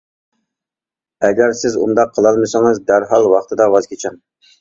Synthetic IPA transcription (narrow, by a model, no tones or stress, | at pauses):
ɛɡʲæɾsɪzṵnd̪ɑqʰːəlˠɑlˠmɨsɨŋɨzd̪æɾɦɑlˠwɑχt̪ʰɨd̪ɑwɑz̥kʲʰet͡ʃʰɛn